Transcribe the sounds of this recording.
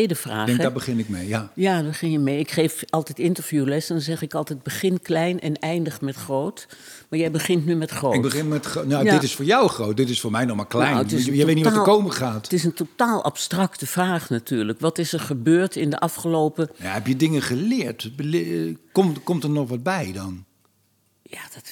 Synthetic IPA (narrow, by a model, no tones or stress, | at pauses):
edəfraːɛŋdabəχɪnɪk̚mejajabəχɪnjəmejɪkχeːvɑlˠtɛtɪntərv̥julɛsdɔnzɛxɪkɑlˠtɛt̚bəχɪnklɛjnʔɛ̰nɛjndəχmɛtxrowt | maːɹjɛjbəχɪntnymɛtχroɪɡbəχɪnmɛtnadɪtɪsfʊːɹjɑwχrowt̚dɪtɪsfʊːɹmɛjnɔχmaːɹklɛjətɪjəeːtnitːəkowməχaːttɪsəntotaːlˠʔa̰pstrɑktəv̥raːχnatyːɹləkʋɑtɪsəɹχəbøːɹtɪndəʔɑfχəloːpəjaɦɛpjədɪŋəχəlɪːɹtblkɔmkɔmtəɹnɔχʋɑd̚bɛjdɑn | jaːdɑt